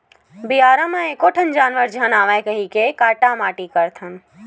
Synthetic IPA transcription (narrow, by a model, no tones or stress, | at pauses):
biaːɾamãekoʈʰənd͡ʒaːnʋəɾd͡ʒʱənaːʋajkəɦikekaːʈamaːʈikəɾt̪ʰən